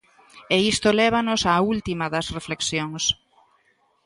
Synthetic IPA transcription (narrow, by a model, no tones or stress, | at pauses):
eist̪olɛβ̞ɐnʊsaːult̪imɐðɐsrefleksjoŋs